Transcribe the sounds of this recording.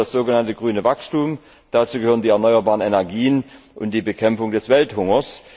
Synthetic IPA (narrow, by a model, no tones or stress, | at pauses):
asz̥oːɡənantəɡʁyːnəvakstuːm | d̥at͡suːɡəhøːʁəndiːɛɐnɔʏɐbaːʁənɛnɛɐɡiːənʔʊnt̚d̥iːbəkʰɛmfʊŋdɛsv̥ɛlthʊŋɐs